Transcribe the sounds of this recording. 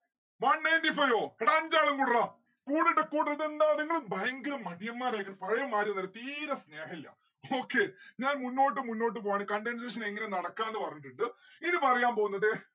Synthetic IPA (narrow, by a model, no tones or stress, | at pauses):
ʋɐɳːejndifɐjoːɽɐːɲd͡ʑaːɭuŋkuːɽraːm | kuːɽiʈːɨkuːɽiɐðend̪aːɐðiŋːɐɭɨbʱɐjɐŋɡɐɾɐmːɐɽijɐmːaːreːkːɐrpɐɻɐjɐmːaːɾjumnːɐlɐt̪iːɾɐsneːɦɐilːɐ̰ | oːkːeɲaːnmunːo̞ːʈ̬ːɨmunːoːʈːɨpoːaɳikɐɳɖens̬eːʂ̬ɐneŋːɐnenɐɽɐkːaːnenːɨpɐrɐɲːiʈːuɳɖɨ | iðɨpɐrɐjaːnpo̞ːɣunːɐðe